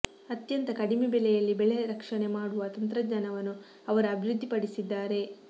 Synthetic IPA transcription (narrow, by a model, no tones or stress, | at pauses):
ɐt̪jɐnt̪ɐkɐɽimebɛlɛjɐlːibɛɭeɾɐkʂɐne̞maːɽuʋɐt̪ɐnt̪ɾɐɲɐnɐʋɐnːu | ɐʋɐɾɐːbʱiɾud̪ʱːipɐɽisid̪ːaːɾe̞